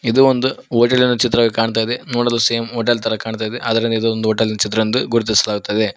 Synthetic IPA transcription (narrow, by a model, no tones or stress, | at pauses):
id̪uond̪uoːʈɐlinɐt͡ʃit̪ɾɐːʋkaːɳt̪̬aːjid̪e̞noːɽɐluseemoːʈ̬ɐlt̪ɐɾɐkaːɳt̪aːjid̪eʔɐd̪ɐɾind̪ɐid̪uond̪uoʈɐlinɐt͡ʃit̪ɾɐɐnd̪uɡuɾit̪̬isɐlaːɡut̪ːɐd̪e̞